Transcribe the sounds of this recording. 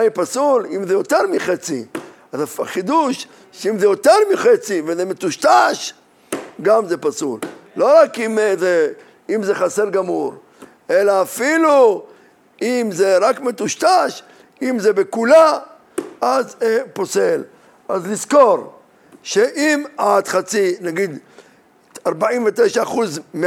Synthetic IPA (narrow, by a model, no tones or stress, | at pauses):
maipasulimzejo̞t̪e̞ʁmiχet͡sḭ | azafaχid̪uʃ | ʃeimzejo̞t̪eʁmiχet͡sivezemet̪uʃt̪aʃ | ɡamzepasulːo̞ʁakimze | imzeχaseʁɡamuɾ | e̞laːfilu | imzeʁakmet̪uʃt̪aʃ | imzebekula | azeposel | azlizko̞ɾ | ʃeʔimat̪χat͡sinaɡid̪ | aʁbaimvet̪ejʃaːχuzme